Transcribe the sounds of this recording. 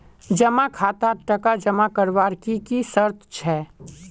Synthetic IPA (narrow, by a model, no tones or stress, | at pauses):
d͡ʒɐmakʰaːt̪aʈɐkad͡ʒɐmakəɾʋaːɾkikisəɾt̪ʰt͡ʃʰɛː